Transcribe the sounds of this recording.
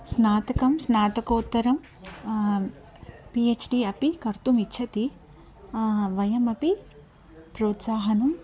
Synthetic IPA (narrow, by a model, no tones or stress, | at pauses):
snaːt̪ɐkɐmsnaːt̪ɐkoːt̪ːɐɾɐm | pieːt͡ʃʰɖiɐpikɐɾt̪umiʃʰɐt̪i | ʋɐjɐmɐpi | pɾoːt̪saːɦɐnɐm